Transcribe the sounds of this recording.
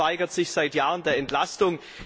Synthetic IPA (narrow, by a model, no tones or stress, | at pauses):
aɪɡɐtz̥ɪçz̥aɪtjaːʁəndeːɐɛntlastʊŋ